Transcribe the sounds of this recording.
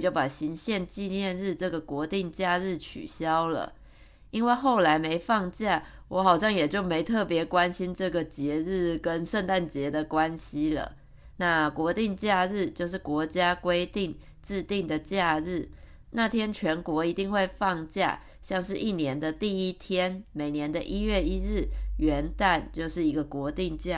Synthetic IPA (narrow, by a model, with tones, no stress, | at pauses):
t͡ɕjo˥˩ʊpa˨˩ɕi˧˥ŋɕjɛ˥˧nt͡ɕi˥˧njɛ˥˧nɻɻ̩˥˧ʈ͡ʂɤ˥˩ɡə˩kwɔ˧˥t̪i˥˧ŋt͡ɕja˥˧ɻɻ̩˥˩t͡ɕʰy̰˨˩ɕjɑ˦˥ʊlə̰˨ | i˥nwe˥˧xo˥˩ʊla˧˥ɪme˧˥ɪfɑ˥˧ŋt͡ɕja˥˩ | wɔ˨˥xɑ˨˩ʊɕ̬jɑ˥˩ŋjɛ˨˩t͡ɕjo˥˩ʊme˧˥ɪt̪ʰɤ˥˩pjɛ˨˧˥kwa˦nɕi˦nʈ͡ʂɤ˥˩ɡə˩t͡ɕjɛ˧˦ɻɻ̩˥˩kə˦nʂə˥˧nt̪a˥˩nt͡ɕjɛ˧˦d̪ə˨kwa˦nɕi˦lə̰˨ | na˥˩kwɔ˧˥t̪i˥˧ŋt͡ɕja˥˧ɻɻ̩˥˧t͡ɕjo˥˧ʊʂ̬ɻ̩˥˩kwɔ˧˥t͡ɕja˥kwe˥ɪt̪i˥˩ŋ | ʈ͡ʂɻ̩˥˧t̪i˥˩ŋd̪ə˩t͡ɕja˥˧ɻɻ̩˥˩ | na˥˩t̪ʰjɛ˥nt͡ɕʰɥɛ˧˥nkwɔ˧˥i˧˥t̪i˥˧ŋxwe˥˧ɪfɑ˥˧ŋt͡ɕja̰˥˩ | ɕjɑ˥˧ŋʂɻ̩˥˧ʔi˥˩njɛ˧˦nd̪ə˧˨t̪i˥˩i˦˥t̪ʰjɛ˥nme˨˩ɪnjɛ˧˦nd̪ə˨ʔi˥ɥɛ˥˩i˥ɻɻ̩˥˩ɥɛ˧˦˥nt̪a˥˧nt͡ɕjo˥˧ʊʂɻ̩˥˩i˧˥ɡə˧kwɔ˧˥t̪i˥˧ŋt͡ɕja˥˩